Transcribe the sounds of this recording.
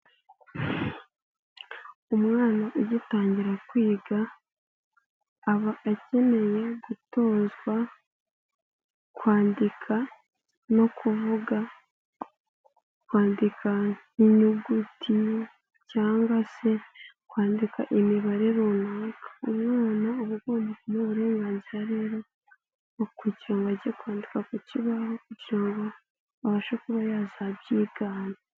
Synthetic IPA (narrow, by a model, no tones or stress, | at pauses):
umŋaːnaʔujitaːɲɟiɾakwiːɡa | βaːce̞me̞jeɡuto̞ːzɡwa | kwaːndikʰa | no̞kuvuɡa | kwaːndikʰa | iɲuɡutʰi | caːŋɡase̞ | kwaːndikʰa̰ʔemiβaɾeɾonaːkḁomŋaːnaoβuɡoːmbakumoβuɾe̞ːŋɡaːnziɾaɾeːɾo̞ | kuciɾaŋɡaɟekwaːndikakuciβahokuɟiɾaŋɡo̞ | aβaʃokuβajaːzabɟiːɡaːna